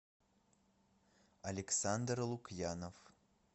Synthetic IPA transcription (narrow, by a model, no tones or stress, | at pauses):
ɐlʲɪksand̪rlˠukjanof